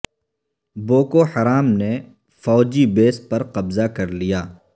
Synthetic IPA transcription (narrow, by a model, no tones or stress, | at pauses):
boːkoħɐɾaːmne | fɔːd͡ʒibeːs̚pɐɾqɐbzakɐɾlijaː